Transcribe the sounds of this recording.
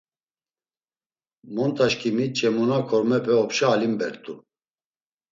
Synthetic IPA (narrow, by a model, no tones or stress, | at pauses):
mɔnt̪ʰʼaʃkʰʼimit͡ʃʼɛmunakʰɔɾmɛpʰɛɔpʃaːlimbɛɾt̪ʼu